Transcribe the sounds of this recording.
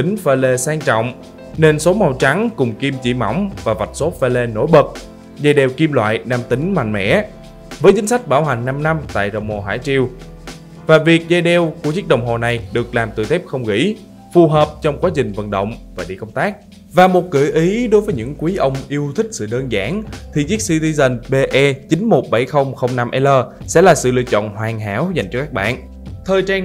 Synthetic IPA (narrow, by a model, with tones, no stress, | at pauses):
t̪ï˨˦ŋ̟fe˧le˧saː˧ŋt͡ɕɔ̰˧˨wŋ͡m | ne˧nso˨˦ma˨˧˩wt͡ɕa˨˦ŋkʊ˨˩ŋ͡mki˧mt͡ɕḭ˧˩ma̰˧˩wŋ͡mvaː˨˩va˨˩t̚so˦˥t̚fe˧le˧no̰˧˥˦jɓə˨˩t̚ | zaː˧jɗɛ˨˩wki˧mlwa̰ː˧˨jnaː˧mt̪ï˨˦ŋ̟ma̰˧˨ŋmɛ̰˧˥ | vəː˨˦jt͡ɕï˨˦ŋ̟sa˦˥k̟̚ɓaː˧˩wɦa˨˩jŋ̟na˧mna˧mt̪a̰ː˧˨jɗə̰˧˨wŋ͡mho˨˩ɦa̰ː˧˩jt͡ɕi˧əw | vaː˨˩vi˨˩ək̚zaː˧jɗɛ˧˩wku˧˩ət͡ɕɨ˦˥k̚ɗə˧˨wŋ͡mɦo˨˩na˨˩jɗɨ˨˩ək̚laː˨˩mt̪ɨ̰˧˩t̪ʰɛ˦˥p̚xə˧wŋ͡mɣḭ˧˥ | fu˨˩ɦəː˨˩p̚t͡ɕɔ˧wŋ͡mkwaː˨˦t͡ɕï˨˩ŋ̟və̰˧˨nɗə̰˧˨wŋ͡mvaː˨˩ɗḭ˧˨kə˧wŋ͡mt̪aː˦˥k̚ | vaː˨˩mo˨˩t̚kɨ̰˧˩ʔi˨˦ɗo˨˦jvəː˨˦jɲɨ̰˧˥ŋkwi˨˦ʔə˧wŋ͡mʔi˧əwt̪ʰï˦˥k̟̚sɨ̰˧˨ɗəː˧nzaː˧˦ŋt̪ʰi˨˩zi˦˥ək̚si˧t̪i˧zə˨˩nɓe˧ʔɛ˧t͡ɕï˨˦ŋ̟mo˨˩t̚ɓa˧˩jxə˧wŋ͡mxə˧wŋ͡mna˧mʔɛ˧ləː˧ | sɛ̰˧˥laː˨˩sɨ̰˧˨lḭ˧ət͡ɕɔ̰˧˨nhwaː˨˩ŋɦa̰ː˧˥wza˨˩jŋ̟t͡ɕɔ˧kaː˦˥k̚ɓa̰ː˧˨n | t̪ʰəː˨˩jt͡ɕaː˧n